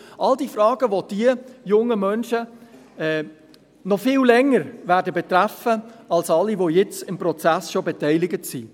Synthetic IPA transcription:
ʔɑldifɾɑːɡ̥əʋod̥iəjʊŋːəmœnʃə | ɛː | nɔfɪːllɛŋːəɾʋæːɾdəbet̪ɾæfəɑlsɑlːiʋojɛt͡sɪmpɾɔt͡sæsʃobetɛɪlɪɡətsi

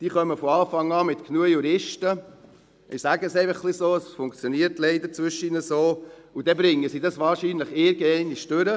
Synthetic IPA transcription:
d̥iːχœməfɔɑːfɑŋɑːmɪt̪knuəjuɾɪʃtə | ʔɪsæɡəseɪfəχːlisoːəsfʊŋkt͡sjɔniəɾtleɪd̪əɾt͡sʋʏʃəinəsoː | ud̥̪ɛbɾɪŋːəsiːdɑsʋɑːɾʃiːnləχɪɾɡənɛɪnɪʃd̥øɾə

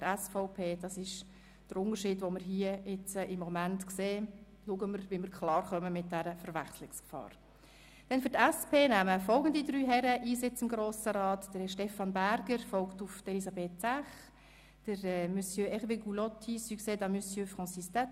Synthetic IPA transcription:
əɾɛsfɔʊpʰeːd̥ɑsɪʃ | d̥əɾʊntəɾʃiːdʋoməɾɦiəɪt͡sʔɪmːɔmæntkseː | luəɡəməɾʋiməɾkʰlɑːrχœməmɪt̚d̥æɾəfəɾʋæχslɪkskfɑ̰ːɾ | d̥ɛnfʏɾtæspʰeːnæməfɔlˠɡən̩didɾyːɦɛɾəʔiːsɪt͡sɪmɡɾoːsəɾɑːtd̥əɾɪʃtɛfɑnbæɾɡ̥əɾfɔlktʊftelisɑbeːt̚sæχ | d̥əɾɛːmysjøɛχveɡulɔtʰisyːkseːdɑmysjøːfʁɔ̃nsistɛ

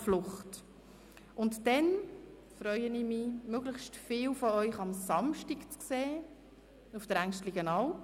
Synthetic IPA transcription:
flʊχt | ʔʊntd̥ɛn | fɾœʏəniːmimøːɡləχʃtfɪːlfɔœʏχɑmsɑmʃtikt͡skseː | ufd̥əɾæŋʃtliɡənɑwp

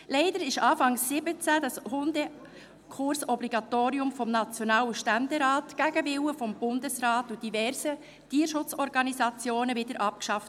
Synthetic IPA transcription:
lɛɪdəɾɪʃɑːfɑŋsːɪbət͡sæd̥ɑshʊnde | kʰʊɾsɔbliɡ̥ɑtoːɾiʊmfɔmnɑt͡sjɔnɑːləʃtænd̪ɛɾɑːtɡ̥æɡ̥əvɪwəfɔmb̥ʊndəsɾɑːtud̥ivɛɾsə | tiːəɾʃʊt͡sɔɾɡɑnisɑt͡sjoːnəvɪdəɾʔɑp̚kʃɑft

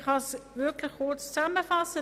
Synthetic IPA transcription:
χɑsʋøkləkχuːtstaːməvɑsə

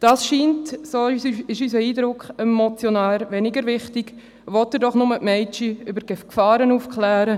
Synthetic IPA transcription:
d̥ɑːsʃiːntsoːɪʃysəiːdɾʊkχɛmːɔt͡sjɔnaːɾʋɛnɪɡəɾʋɪχtɪɡ̥ | ʋɔtəɾdɔχnʊməʔmɛɪt͡ʃiʏbəɾɡ̥efkfɑːɾənufkχlæːɾə

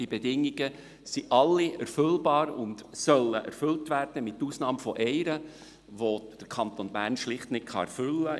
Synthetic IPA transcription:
d̥ibɛdɪŋːiɡ̥ə | siʔɑlːiʔɛɾfʏlbɑːɾʊndsœlːəʔɛ̰ɾfʉltvæɾd̥əmɪt̪ːuːsnɑːmfɔʔɛɪɾə | ʋod̥əɾkʰɑnt̪onbæːɾnʃlɪχtnɪt̚kʰχɑɛɾfʏlːə

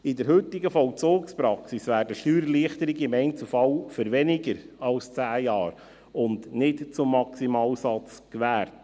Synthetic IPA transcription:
ɪdəɾhɵtɪɡəfɔwt͡soːkspɾɑksisʋæːɾdəʃtyːɾəliəχt̪əɾɪɡəɪmɛɪnt͡sufɑwfəɾʋɛniɡəɾɑlst͡sæːjɑːɾ | ʊndnɪtt͡sʊmːɑksimɑːlsɑt͡skʋæːɾt

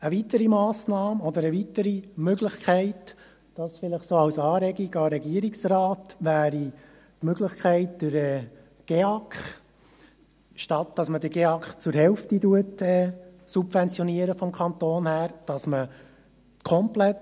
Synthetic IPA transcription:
əʋitəɾimɑːsnɑːmɔd̪əɾəʋit̪əɾimøɡləχkʰχɛɪt | d̥ɑsfɪləχsoːɑwsɑːɾɛɡiɡɑɾɛɡiəɾiksɾɑːt̪ʋæːɾi | tmøɡ̥ləχkχɛɪtd̥əɾɛː | ɡ̥eɑkχ | ʃtɑt̚d̥ɑsmədəɡ̥eɑkχt͡sʊɾɦɛlftituətɛːsubfɛnt͡sjɔniəɾəfɔmkχɑnt̪oːnhæːɾd̥ɑsmə | kʰɔmplɛt

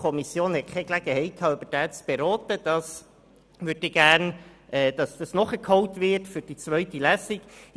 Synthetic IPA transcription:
kʰɔmisjoːnhɛt̚kʰɛɡlæɡ̥əhɛɪt̚kʰɑːybədæːt͡sb̥eɾɔːtəd̥ɑs | ʋødɪɡ̥æːɾnɛːd̥ɑsd̥ɑsnɔχəkʰhɔwtʋɪtfʏɾd̥it͡sʋœɥtilæsiɡ̥

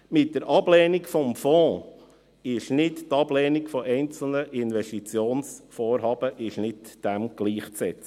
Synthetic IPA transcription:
mɪt̚dəɾʔɑblɛːnɪkfɔmfɔ̃ː | ɪʃnɪttɑb̥lɛːnɪkfɔʔɛɪnt͡sl̩nəʔɪnʋɛʃtit͡sjoːnsfoːɾɦɑːb̥əʔɪʃnɪtd̥ɛmɡ̥liːχt͡sɛt͡sə

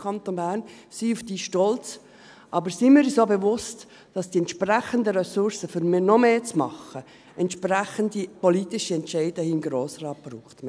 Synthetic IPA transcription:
kʰɑnt̪onbæːɾn | siufd̥iːʃtɔlt͡s | ʔɑbəɾsimɪɾisoːbɛvʊst | d̥ɑsd̥iɛnt̪ʃpræχəndəɾɛsʊɾsəfyɾmɪnɔmeːt͡smɑχə | ɛntʃpɾæχəndipɔlit̪ɪʃəɛntt͡ʃɛɪdəhinɡɾoːsrɑːt̚b̥ruːχtme

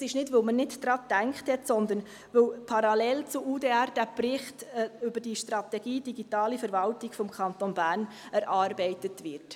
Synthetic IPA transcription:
sɪʃnɪdʋəlmənɪtd̥̪ɾɑːdæŋkχthɛtsɔnd̪ən | ʋɵwpʰɑɾɑlɛlt͡sʊʔuːdeːæɾd̥æbrɪχtʏbəd̥iʃtɾɑt̪ɛɡ̥iːd̥iɡitɑːlifɛɾvɑltiɡ̥fɔmkʰɑnt̪onbæːn | ɛɾʔɑːɾbɛɪtətʋɪɾt

